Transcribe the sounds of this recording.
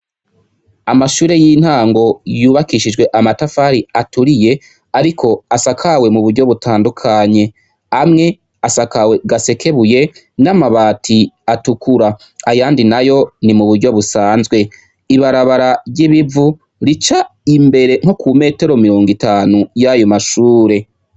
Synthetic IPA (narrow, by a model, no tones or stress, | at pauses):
amaʃuːɾe̞jin̥haːŋɡo̞juːβakiʃid͡ʒɡwe̞ʔamatafaːɾiatuɾije̞ | aɾikʰo̞asakʰawe̞muβuɾɟo̞βutʰaːndukʰaɲe̞ | amŋe̞ | asakawe̞ɡase̞kʰe̞βuje̞ | namaβaːtʰiatukuɾa | ajaːndinajo̞nimuβuɾɟo̞βusaːnzɡwe̞ | iβaɾaβaɾaɟiβivu | ɾit͡ʃaimbe̞ɾe̞ŋ̥ho̞kʰume̞ːte̞ɾo̞miɾo̞ːŋɡitaːnujajomaʃuːɾe̞